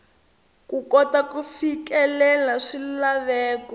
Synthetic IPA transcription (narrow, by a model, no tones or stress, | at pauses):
kukɔtakufikɛlɛlaʂillaβɛːkɔ